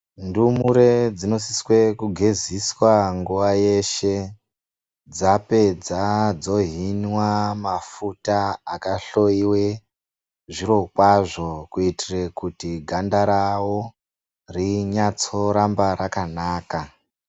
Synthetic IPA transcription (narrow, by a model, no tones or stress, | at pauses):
ndumuɾe̞d͡zino̞siswe̞kuɡʱe̞ziswaŋɡuʋaje̞ʃe̞ | d͡zape̞d͡zad͡zo̞ɦinwamafutaːkaɬo̞iwe | ʐiɾo̞kwaʐo̞kuitire̞kutiɡʱandaɾawo | riɲat͡so̞ɾambaɾakanaːka